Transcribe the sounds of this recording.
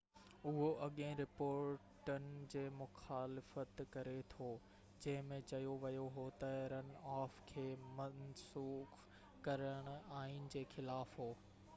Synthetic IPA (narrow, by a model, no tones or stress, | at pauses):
ʊɦoʔɐɠẽɾɪpoːɾɾʈənɪ̆d͡ʑeːmʊxaːlɪfət̪kɐɾet̪ʰoː | d͡ʑɐ̃ɦɪ̃mẽt͡ɕɐjoʋɐjoɦot̪ɐɾənaːfkʰeːmɐnsuːx | kɐɾəɽ̃ʊaːɦɪnɪ̆d͡ʑeːxɪlaːfɦoː